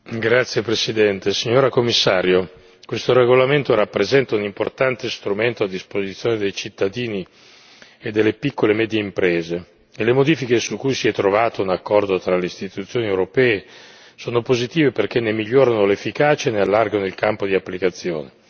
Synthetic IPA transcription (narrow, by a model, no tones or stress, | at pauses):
ɡɾat̪sːjepɾesid̪ɛnt̪esiɲːoːɾakomːisːaːɾjo | kwest̪oɾeɡolament̪oɾapːɾezɛnt̪aunimport̪ant̪est̪ɾument̪oad̪ːispozit̪sːjoːned̪ejt͡ʃit̪ːad̪iːni | ed̪ːelːepikːolemɛːd̪jeimpɾeːze | elemod̪iːfikesukujsiɛt̪ːɾovaːt̪ounakːɔrd̪ot̪ɾaleist̪it̪ut̪sːjoːniewɾopɛːe | soːnopozit̪iːveperk̟enːemiʎːoːɾanolefːikaːt͡ʃaenealːarɡanoilkampod̪iapːlikat̪sːjo̰ːne